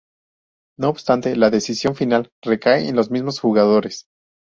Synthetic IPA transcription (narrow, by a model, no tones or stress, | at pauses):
no̞ːbst̪ant̪e̞laðe̞sisjo̞ɱfinalre̞kaeenlo̞zmizmo̞sxuɣaðo̞ɾes